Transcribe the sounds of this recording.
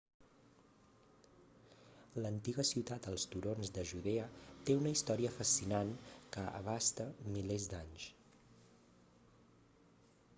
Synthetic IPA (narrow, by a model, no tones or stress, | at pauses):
lənt̪iɣəsiwt̪at̪əlˠst̪uɾonzd̪əʒuðeət̪eunəist̪ɔɾiəfəsinankəə̰β̞ast̪əmilezd̪aɲs